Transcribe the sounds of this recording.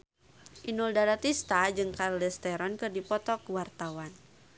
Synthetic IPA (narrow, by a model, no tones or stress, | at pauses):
ʔinuldaɾat̪ist̪ad͡ʒɨŋkaɾlɛst̪ɛɾɔnkɨrdipɔt̪ɔkwart̪awan